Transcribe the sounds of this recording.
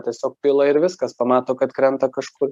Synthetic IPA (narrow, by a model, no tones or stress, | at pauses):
tʲiɛsʲoːk̚pʲɪːlˠɐɪɾʋʲɪskɐspɐmɑːt̪oːkɐt̪kɾʲɛnt̪ɐkɐʃkʊr